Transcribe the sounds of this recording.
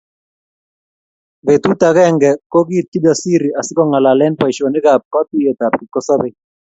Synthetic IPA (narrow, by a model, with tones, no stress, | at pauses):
be˨t̪u˦ta˨kɛ˦ŋɡɛ˨kɔ˦ɡi˦t̪̚ki˦da˨si˦ɾi˨a˨sɪ˦kɔ˦ŋa˨la˨lɛ˦npa˨i˨ʃo˨nɪ˦ɡa˨b̚ka˦tu˦jɛ˨ta˨pki˨kɔ˦sa˦be˦˨